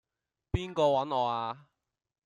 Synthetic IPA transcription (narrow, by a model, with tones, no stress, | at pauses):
piː˥nkɔː˧wɐ˨˥nɔː˨˧aː˧